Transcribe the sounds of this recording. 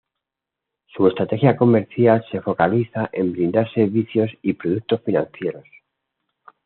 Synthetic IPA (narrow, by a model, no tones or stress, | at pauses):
sue̞st̪ɾat̪e̞xjako̞me̞ɾθjalse̞fo̞kaliθaʔe̞mbɾĩnd̪aɾse̞βiθjo̞sipɾoðuk̚t̪osfinãn̟θje̞ɾo̞s